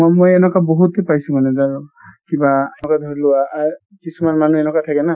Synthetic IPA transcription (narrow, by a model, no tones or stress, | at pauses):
mojɛnɔkaboɦutɛpajsumanɛzaɹukibaɛnɔkadʱoɹilʊwaːɹ | kisumanmanuɛnɔkatʰakɛna